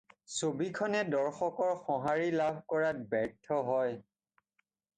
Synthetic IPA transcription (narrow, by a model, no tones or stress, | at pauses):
sobikʰɔnɛdɔɹxɔkɔɹxɔɦaɹilabʱkɔɹat̚bɛɹtʰɔɦɔj